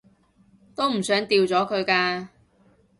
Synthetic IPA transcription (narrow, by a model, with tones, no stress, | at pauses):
t̪o˥wm̩˨˩sœː˨˥ŋt̪iː˧wt͡sɔː˨˥kʰɵ˨˧ɥkaː˧